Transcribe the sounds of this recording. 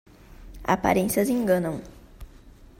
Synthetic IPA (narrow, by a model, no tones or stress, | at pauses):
a̰pa̰ɾẽsiɐzẽŋɡɐ̃nɐ̃w̃